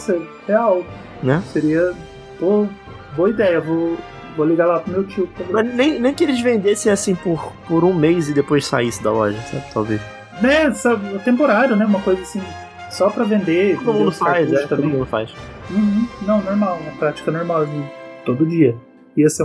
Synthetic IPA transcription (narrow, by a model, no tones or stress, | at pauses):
se | heaw | nɛseɾiɐ | bo | boɐid̪ɛjɐvo | voliɡalapʊmewt͡ʃiʊt̪olmɐnẽj̃nẽj̃kɪelɪzvẽnd̪esẽj̃asĩpʊɾpʊɾũmejzɪd̪epojssa̰isɪd̪a̰lɔ̰ʒɐsa̰bɪt̪ʰa̰wvejʃ | nɛsɔʊt̪ẽmpoɾaɾjʊnɛũmɐkojzɐasĩ | sɔpɾɐvẽnd̪ekd̪ʊmũd̪ʊfajzɛkt̪ɐ̃oẽmũd̪ʊfa̰js | mĩũnɐ̃w̃noɾmawũmɐpɾat͡ʃi̥kɐnoɾmawzĩt̪od̪ʊd͡ʒiɐ | iɐse